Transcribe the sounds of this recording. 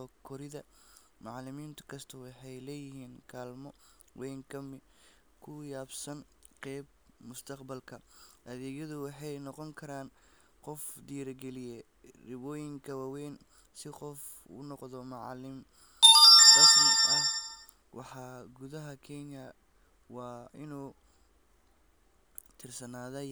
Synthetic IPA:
ɔkʰɔɾɪðɐ | mɑʕlɪmiːnt̪ʰɐ̥kʰɐst̪ʰɐwɑħɑjlɛːjɪhiːnkʰaːlmɔ | wʔɛːŋkʰɐmɪ | kʰʊjaːbsɐn | qɛːb̚ | mʊst̪ʰɐqbɐlkʰɐʔɐðɛːɡjɐðʊwɑħɑjnɔqɔŋkʰɐɾaːn | qɔfd̪iːɾɐɡɛlɪjɛ | rɪβɔːjɪŋkʰɐwɑːwɛːn | sɪqɔf | ṵːnɔqðɔmɑʕɑ̰lɪm | ɐsmɪɐh | wɑ̰ħɑːɡuðɐɦɐkʰɛnjɐ | wɑːɪnuː | t̪ʰɪrsɐnaːðɐ

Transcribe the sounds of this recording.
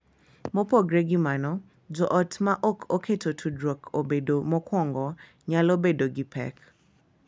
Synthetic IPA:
mɔpoɡɾeɡimanɔ | d͡ʒɔʔɔtmaʔɔkʰokʰetʰotʰudɾɔkʰobedomɔkwɔŋɡɔ | ɲalobedoɡipʰɛ̰k

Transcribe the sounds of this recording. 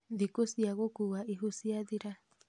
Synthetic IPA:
ðikosiaɣokuwaʔiɦusiaðiɾa

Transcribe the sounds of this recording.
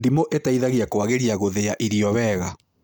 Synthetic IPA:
dimoʔetaiðaɣeakowaɣeɾiaɣoðeaʔiɾiɔwɛɣa

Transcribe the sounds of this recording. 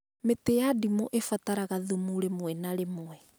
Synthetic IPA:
metejadimoʔefataɾaɣaðumuɾemowɛnaɾemoɛ

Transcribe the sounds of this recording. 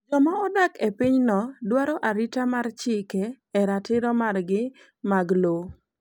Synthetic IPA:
d͡ʒɔmaɔdakepiɲnɔdwaɾɔʔaɾitamart͡ʃɪkɛ | ɛɾatɪɾɔmarɡɪ | maɡlo

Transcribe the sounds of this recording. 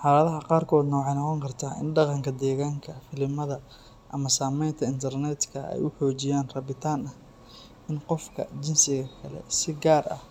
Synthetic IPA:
ħɑlɐðɐɦɐqɑːrkʰɔːd̪nɔːʕɛjnɔqɔŋkʰɐrt̪ʰaːʔɪ̰nɖɑqɑŋkʰɐd̪ɛːɣaːŋkʰɐfɪlɪmɐðɐ | ʔɐmɐsaːmɛjnt̪ʰɐɪnt̪ʰɐrnɛt̪kʰɐʔɛ̰jʊħɔːt͡ʃɪjaːnrɐβɪt̪ʰaːnɐh | ɪnqɔfkʰɐt͡ʃɪnsɪɣɐkʰɐlɛ̰sɪɡaːrʔɐ̰h

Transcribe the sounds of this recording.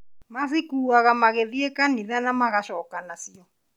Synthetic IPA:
masikuaɣamaɣeðiɛkʼaniðanamaɣaʃɔkʼanasiɔ

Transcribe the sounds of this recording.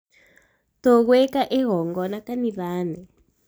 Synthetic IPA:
tɔɣwɛkaʔɛɣɔŋɡɔnakaniβaːnɛ

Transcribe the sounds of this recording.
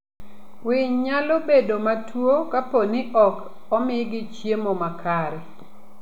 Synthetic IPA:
wɪɲɲalobedomatʰwokaponɪʔɔk | ɔmɪɡɪt͡ʃjemomakʰaɾɛ

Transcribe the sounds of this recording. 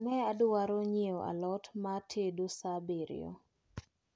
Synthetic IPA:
ŋɛadʊwaɾoɲeoʔa̰lɔtmatʰedosabeɾɪ̰ɔ̰

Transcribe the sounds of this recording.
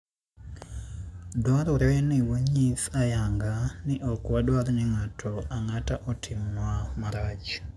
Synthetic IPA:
dwaɾɔɾeniwoɲisajaŋɡaniʔokwadwaɾniŋatʰoaŋataʔotʰimwamaɾad͡ʒ

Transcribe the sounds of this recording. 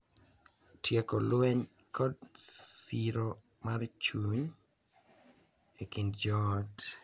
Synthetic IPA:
tʰjekolweɲ | kʰɔdsiɾo | mart͡ʃuɲ | ekindd͡ʒɔt

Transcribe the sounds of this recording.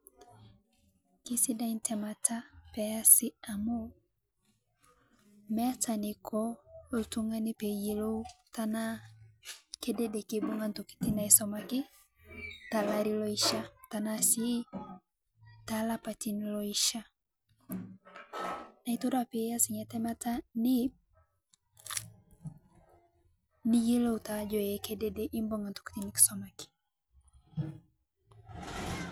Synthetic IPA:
kisidaintʰɛmatʰapɛasiamo | mɛat͡sanikʰɔotuŋɡanipɛjilotana | kedɛdɛkibuŋɡantoki̥tinaisɔmakɪ | talaɾilɔiʃatanasi | talapatinlɔiʃa | naitoɾapijasiɲatɛmatani | niɡilɔutad͡ʒɔjɛkedɛdɛʔimboŋɡantu̥ki̥t̪iniki̥sɔmaki̥

